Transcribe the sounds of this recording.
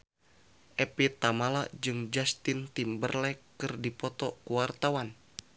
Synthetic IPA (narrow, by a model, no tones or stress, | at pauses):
ʔɛpit̪amalad͡ʒɨŋd͡ʒast̪int̪imbərlɛ | ɨrdipɔt̪ɔkuwart̪awan